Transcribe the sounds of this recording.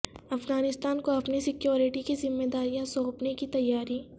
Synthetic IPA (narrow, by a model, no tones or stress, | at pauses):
ɐfɣaːnɪst̪aːnkoɐpnisɪkjoːɾɪʈikizɪmːed̪aːɾijãsɔːpnekit̪ɐjːaːɾiː